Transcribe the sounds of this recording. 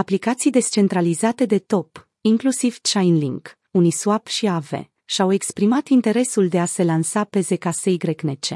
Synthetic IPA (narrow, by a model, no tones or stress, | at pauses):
aplikat̪sijd̪e̞st͡ʃe̞nt̪ɾalizat̪e̞d̪e̞t̪o̞p | iŋklusiv̥t͡ʃajnlḭŋɡ | unijsuapʃiave̞̰ | ʃawe̞kspɾimat̪int̪e̞ɾe̞suld̪e̞ase̞lansape̞ze̞kasejɡɾeknet͡ʃe̞̰